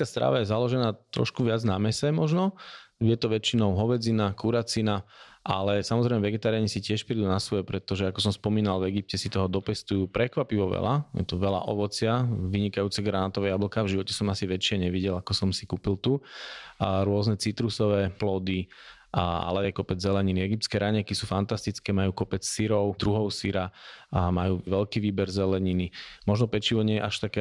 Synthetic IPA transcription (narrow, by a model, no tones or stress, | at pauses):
kast̪ɾa̰ːʋajɛzalɔʒɛnaːt̪ɾɔ̰ʃkuʋɪad͡znamɛsɛmɔʒnɔjɛt̪ɔʋɛt͡ʃinɔʊɦɔʋɛd͡zinakuɾat͡sinaʔa̰lɛsamɔzɾɛɪmɛʋɛɡɛt̪aːɾijaɲɛsicɪɛʃpɾid̪unasʋɔjɛpɾɛt̪ɔʒɛakɔsɔmspɔmiːnalvɛɡip̚cɛsit̪ɔɦɔd̪ɔpɛst̪ujuːpɾɛkʋapiʋɔʋɛ̰la̰jɛ̰t̪ɔʋɛla̰ʔɔʋɔt͡sɪaʋiɲikajuːt͡sɛɡɾanat̪ɔʋɛːjabl̩kaːvʒiʋɔcɛsɔmasiʋɛt͡ʃɪɛɲɛʋiɟɛlakɔsɔmsikuːpilt̪u | ɾʊɔznɛt͡sit̪ɾusɔʋɛːplɔːd̪i | a̰lɛjɛkɔpɛd͡zzɛlɛɲiniɛɡip̚tt͡skɛːɾʔaɲɛkisuːfant̪ast̪it͡skɛːmajuːkɔpɛt͡ssiɾɔʊd̪ɾuɦɔʊsiɾamajuːʋɛʎkiːʋiːbɛɾzɛlɛɲinimɔʒnɔpɛt͡ʃiʋɔɲɪɛjɛʔaʃt̪akɛ